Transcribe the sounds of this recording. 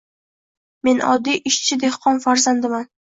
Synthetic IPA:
me̞nɒ̰d̪ːijʔɪʃt͡ʃʰɪd̪e̞hqʰɒnfaɾzand̪ɪman

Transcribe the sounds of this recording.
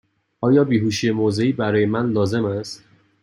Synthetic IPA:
ʔɒːjɒːbiːɦuːʃije̞moːze̞iːbæɾɒːje̞mænlɒːze̞mæst̪

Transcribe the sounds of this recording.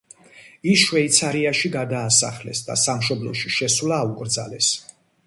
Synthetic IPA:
isʃwɛit̪sʰaɾiaʃiɡad̪aːsa̰χlɛ̰sd̪a̰samʃɔblˠɔ̰ʃiʃɛswlaːukʼɾd̪zalɛs

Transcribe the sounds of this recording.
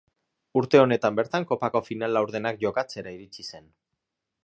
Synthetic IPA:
uɾt̪e̞o̞ne̞t̪ambe̞ɾt̪aŋko̞pako̞finalawɾð̞e̞nak̚ʝo̞kat͡se̞ɾaiɾit͡sise̞n

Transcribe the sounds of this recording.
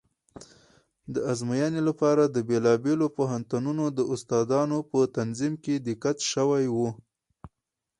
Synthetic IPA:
d̪əazmajɑnelapɑɾad̪əbelɑbelopoɦant̪ununod̪əʊst̪ɑd̪ɑnopət̪anzimked̪ɪkat̪ʃəwajwu

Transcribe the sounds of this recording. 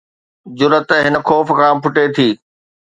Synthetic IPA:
d͡ʑʊɾət̪ɦɪnə̆xɔːfkʰãːpʰʊʈet̪ʰiː

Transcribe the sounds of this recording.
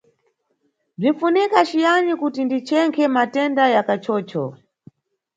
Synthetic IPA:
b͡ʐinfunikat͡ʃijanikutindit͡ʃɛŋkʰɛmatɛndajakat͡ʃɔːt͡ʃɔ

